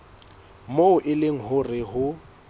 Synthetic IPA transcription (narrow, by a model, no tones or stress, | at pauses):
moʊʔɪleŋ̩ɦʊrɪɦʊ